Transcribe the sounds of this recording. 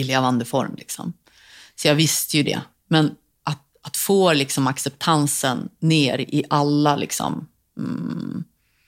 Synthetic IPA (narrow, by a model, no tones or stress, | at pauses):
leːvand̪əfɔ̰ɾmlɪksɔ̰m | sɔjɑːvɪst̪əjɵd̪ɛ̰ | mɛn | ʔat̪̚ | at̪foːlɪksɔmaksɛpt̪ʰansənːeːɾɪʔalːalɪ̰ksɔ̰m̩